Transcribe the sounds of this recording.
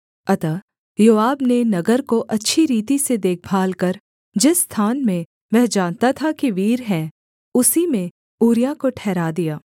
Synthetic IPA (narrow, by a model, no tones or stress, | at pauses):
ɐt̪a | joːaːbnenɐɡəɾkoʔɐtːʃʰiɾiːt̪ised̪eːk̚ʰbʱaːlkəɾ | d͡ʒɪsːt̪ʰaːnmẽ | ʋɛɦd͡ʒãːnt̪at̪ʰakiʋiːɾɦɛ̃ | ʊsimẽ | uːɾijãkoʈʰɛːɾaːd̪ijaː